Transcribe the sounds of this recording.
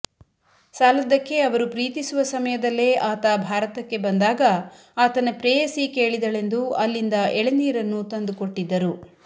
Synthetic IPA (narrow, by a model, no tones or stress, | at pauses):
saːlɐd̪ɐkːe̞ɐʋɐɾupɾiːt̪isuʋɐsɐmɐjɐd̪ɐlːe̞ːaːt̪ɐbʱaːɾɐt̪ɐkːe̞bɐnd̪aːɡɐ | aːt̪ɐnɐpɾɛːjɐsike̞ːɭid̪ɐɭe̞nd̪uɐlːind̪ɐʔɛɭiniːɾɐnːut̪ɐnd̪ukoʈːid̪ːɐɾu